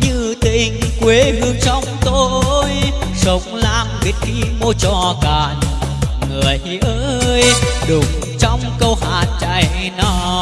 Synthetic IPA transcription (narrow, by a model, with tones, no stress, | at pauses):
ɲɨ˧t̪ï˧˩ŋkwe˨˦ɦɨ˧əŋsɔ˨˦wŋ͡mt̪o˧ʔjsə˨˦wŋ͡mlaː˧mvi˨˦˥ət̚xʰi˧mo˧t͡ɕɔ˧˩kaː˨˩nŋɨ˨˩əj | ʔəː˧jɗʊ˨˩ŋ͡m | t͡ɕɔ˧wŋ͡mkə˧wɦaː˨˩nt͡ɕa̰˧˨j | nɔ˨˧˦